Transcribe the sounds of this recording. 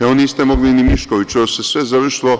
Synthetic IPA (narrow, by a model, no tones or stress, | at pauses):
ɛoniːst̪ɛmoɡlinimiʃkoʋit͡ʃosɛsʋɛzaʋərʃlo